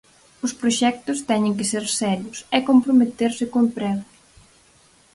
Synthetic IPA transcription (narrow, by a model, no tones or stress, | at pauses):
ʊspɾoʃɛk̚t̪ʊst̪ɛɲɪ̃ŋkɪseɾsɛʎʊsɛkompɾomet̪eɾsɪkompɾɛw